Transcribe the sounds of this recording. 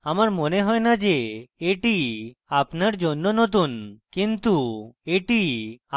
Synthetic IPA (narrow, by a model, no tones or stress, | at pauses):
amaɾmoneɦɔjnad͡ʑeeʈiapnaɾd͡ʑonːonot̪̬unkint̪ueʈi